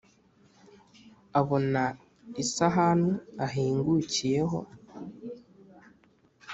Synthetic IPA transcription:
aβo̞na | isaɦaːnhuaɦiːŋɡucije̞ɦo̞̰

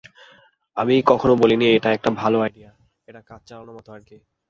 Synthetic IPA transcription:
amikɔkʰonobolinieʈaɛk̚ʈabʱaloajɖia | eʈakat͡ɕt͡ɕalanomɔt̪oaɾki

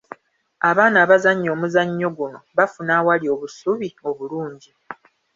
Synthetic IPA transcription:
aβaːnaːβazaɲːo̞ːmuzaɲːo̞ɡuno̞βafunaːwalio̞ːβusuβio̞βuluːɲɟi

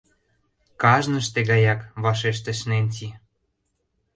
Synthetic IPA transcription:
kɑʒnə̆ʃt̪eɡɣɑjɑkβɑʃeʃ̬t̪ĕʃnenʲtʲi

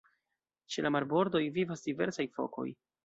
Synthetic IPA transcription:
t͡ʃelamaɾbo̞ɾd̪o̞jvivasdive̞ɾsajfo̞̰ko̞̰j

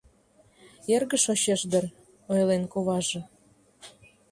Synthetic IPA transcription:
erɣə̆ʃoɕeʃd̪ə̆r | ojlenkoβɑʒɤ̆

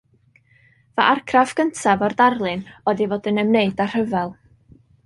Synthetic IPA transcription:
vaʔarkʰrafɡ̥əntʰavɔrdarlˠɨnɔðivoːdənəmneɨdar̥əvɛlˠ

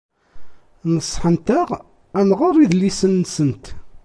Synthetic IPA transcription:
nəsˤːħənt̪æʁ | ænʁʊɾˤiðlisənːsənt̪

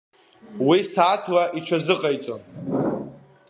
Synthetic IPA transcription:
wistʰaːtʰlaʔit͡ʃʷʰazɨqʼajt͡sʼon

